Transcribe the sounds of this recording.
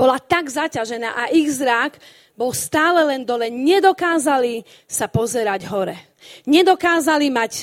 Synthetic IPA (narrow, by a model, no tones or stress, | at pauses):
b̥ɔlat̪aɡzacaʒɛna̰ːʔaʔiɣzɾaɡ | bɔlst̪aːlɛlɛnd̪ɔlɛɲɛd̪ɔkaːzali | sapɔzɛɾaɟɦɔɾɛ | ɲɛd̪ɔkaːzalimac